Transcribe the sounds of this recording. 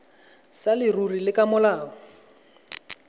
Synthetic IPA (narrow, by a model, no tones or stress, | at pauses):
salɪrurilɪkʼamʊlaːɔ